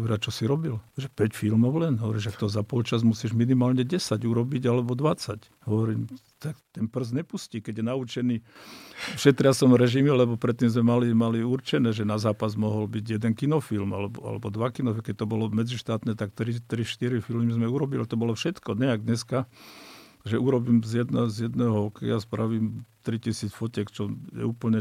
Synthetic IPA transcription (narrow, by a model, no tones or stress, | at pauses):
ɔʋɛɾat͡ʃɔsiɾɔbilʒɛpɛcfilmɔʊlɛnɦɔʋɔɾiːʒak̚t̪ɔzapɔlt͡ʃazmusiːʒminimaːlɲɛɟɛsaɟuɾɔbiɟalɛbɔd̪ʋat͡sac | ɦɔʋɔɾiːm | t̪akt̪ɛnpr̩zɲɛpusciːkɛɟjɛnaut͡ʃɛniː | fʃɛt̪ɾɪasɔmɾɛʒimilɛbɔpɾɛt̪ːimzmɛmalimaliurt͡ʃɛnɛːʒɛnazaːpazmɔɦɔlbiɟjɛd̪ɛnkinɔfilmalɛbɔ̰a̰lɛ̰bɔd̪ʋakinɔfkɛc̚t̪ɔbɔlɔmɛd͡ziʃt̪aːt̪nɛːt̪akt̪ɾit̪ɾiʃt̪iɾifilmizmɛuɾɔbilit̪ɔbɔlɔfʃɛt̪kɔɲɛaɡ̚d̪ɲɛska | ʒɛuɾɔbiːmzjɛd̪nazjɛd̪nɛːɦɔɔkɛjaspɾʔaʋiːmt̪ɾicisiːt͡sfɔcɛkt͡ʃɔjɛ̰uːpl̩ɲɛ